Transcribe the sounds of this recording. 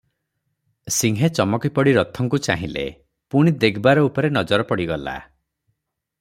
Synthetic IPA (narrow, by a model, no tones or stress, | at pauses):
siŋɦet͡ʃɔmɔkipɔɽiɾɔt̪ʰɔŋkut͡ʃaɦĩlḛ | puɽ̃id̪ekʰbaɾɔupɔɾenɔd͡ʒɔɾɔpɔɽiɡɔla̰